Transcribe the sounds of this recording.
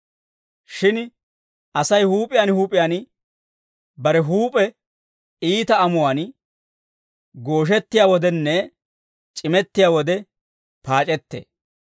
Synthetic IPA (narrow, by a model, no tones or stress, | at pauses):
ʃɪn | ʔɐsɐjhuːpʼɪjaːnhuːpʼɪjaːn | bɐɾɛɦuːpʼɛ | iːt̪ɐɐmʊwaːn | ɡoːʃ̬ɛt̪ːɪjaːwɔd̪ɛnːɛ | t͡ʃʼɪmɛt̪ːɪjaːwɔd̪ɛ | paːt͡ʃʼɛt̪ːḛː